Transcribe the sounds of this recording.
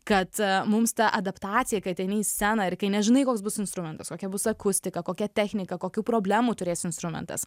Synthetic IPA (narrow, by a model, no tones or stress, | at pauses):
kɐt̪mʊmst̪ɐʔɐd̪ɐpt̪ɑːt͡ssʲɪjɛkɐɪt̪ɐɪnʲiɪsʲæːnɐɪrkɐɪnʲɛʒʲɪnɐɪkoːks̬bʊsɪnst̪ɾʊmʲɛnt̪ɐskoːkʲɛbʊsɐkʊsʲt̪ʲɪkɐkoːkʲɛt̪ʲɛxʲnʲɪkɐkoːkʲuːpɾoːbʲlʲæːmuːt̪ʊɾʲeːsɪnst̪ɾʊmʲɛ̰nt̪ɐ̰s